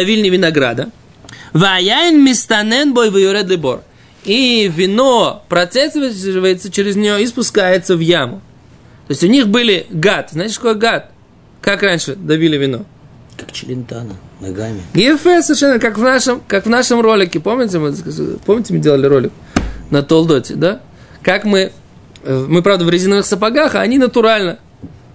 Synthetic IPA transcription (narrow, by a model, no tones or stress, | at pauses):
ɐvʲilʲnʲɪvʲɪnɐɡɾa̰d̪ə | vɨɐjaɪnmʲɪst̪ɐnɛnbojvɨjʊɾɛd̪lʲɪbo̰r | ivʲɪnopɾɐt̪sɛsʲvvəjɪt̪sət͡ɕɪɾʲɪzʲnʲɪjoispʊskajɪt̪səvjamʊ | t̪oɪsʲʊnʲixbɨlʲɪɡat̪znaɪtʲɪʂk̪ɐko̞jɡat̪̚ | kakranʲʂɨd̪ɐvʲilʲɪvʲɪno̞̰ | kakt͡ɕɪlʲɪnt̪anəna̰ɡamʲɪjfɛsəvʲɪɾrʂɛnvʲkakvnaʂɨmkakvnaʂəmro̞lʲɪkʲɪpo̞mnʲɪt̬ʲɪmɨpomnʲɪtʲɪmɨdʲelˠəlʲɪɾo̞lʲɪk | nət̪olˠd̪otʲɪ̰d̪a | kakmɨ | mɨpɾavd̪əvɾʲɪzʲinəvɨxsəpaɡaxɐːnʲinət̪ʊɾalʲnə